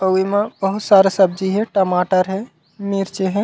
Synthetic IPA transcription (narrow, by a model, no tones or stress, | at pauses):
əwimãbəɦʊt̪saːɾesɐb̚d͡ʒiɦɛ̃ʈəmaːʈəɾɦɛ | miːɾt͡ʃeɦɛ̃